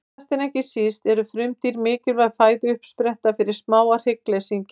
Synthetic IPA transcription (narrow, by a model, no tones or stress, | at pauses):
st̪ɪnɛhcɪsist̪ɛɾʏfɾʏmt̪iːɾmɪːcɪlvajðfaːjtʏʏhpspɾɛht̪afɪɾɪɾ̥smaːwar̥hɪklɛsiŋc